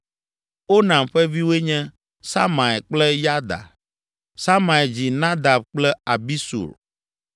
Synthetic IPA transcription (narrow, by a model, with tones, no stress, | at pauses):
o˦nã˨mɸɛ˦vi˦we˦ɲɛ̃˦ | sa˦mã˨ɛ˨k͡plɛ˦ja˦d̪a̰˨ | sa˦ma˨ɛ˨d͡ʑi˨nã˦d̪a˨b̚k͡plɛ˦a˨bi˦sṵ˨l